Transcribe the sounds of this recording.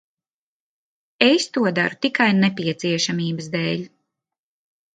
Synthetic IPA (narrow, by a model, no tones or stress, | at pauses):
est̪uɔd̪a̰ɾut̪ikajnɛpiɛt̪siɛʃamiːbəsd̪ɛːlʲ